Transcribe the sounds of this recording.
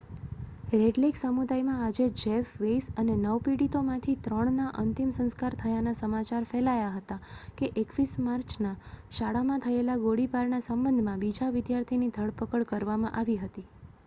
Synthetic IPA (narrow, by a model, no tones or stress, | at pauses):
ɾeɖleksəmud̪ajmãad͡ʒed͡ʒefʋejsənenəʋpiɽit̪omãt̪ʰit̪ɾəɳnaʔənt̪imsə̃nskaɾt̪ʰəjanasəmat͡ʃaɾfɛlajaɦət̪akeʔekʋismaɾt͡ʃʰnaʃaɭamãt̪ʰəelaɡoɽipaɾnasəmbənd̪ʱmãbid͡ʒaʋɪd̪jaɾt̪ʰinid̪ʱəɭpəkəɭkəɾʋamã̰ʔaʋiɦət̪i